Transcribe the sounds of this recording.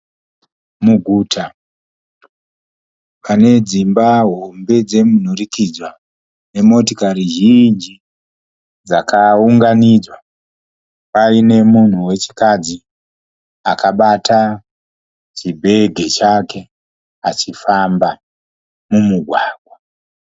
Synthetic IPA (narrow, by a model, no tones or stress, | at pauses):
muɡʱuːtʰa | pʰane̞d͡zimbaɦo̞mbe̞d͡ze̞mun̤urikid͡zwa | ne̞mo̞tokaɾiʒind͡ʒi | d͡zakʰauŋɡanid͡zwa | paine̞mun̤uwe̞t͡ʃi̥kad͡zi | akaɓatʰa | t͡ʃibʱe̞ɡʱe̞t͡ʃake̞ | at͡ʃifamba | mumuɡʱwaːɡʱwa